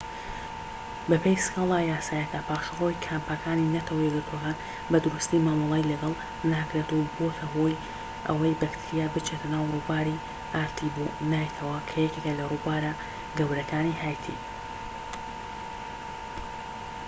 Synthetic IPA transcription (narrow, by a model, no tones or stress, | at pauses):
bɐpʰejsɨ̥kalˠaːjaːsaːjɐkapʰaːʃɐʁojkʰaːmpakʰaːninɐt̪ʰɐwɐjɛɡɨɾt̪ʰwokaːn | bɐd̪ʊɾust̪imaːmɨlˠejlɐɡɐlˠ | naːkɾet̪ubot̪ʰɐɦo̞j | ʔɐ̰wɐjbɐkt̪ʰɨɾijaːbɨt͡ʃʰeːt̪ʰɐnaːwruːbaːɾi | ʔaːɾt̪ʰibonaːjt̪ʰɐwɐkʰɐjɛcʲekelɐrubaːɾa | ɡɐwɾɐkaːnihaːjt̪ʰḭ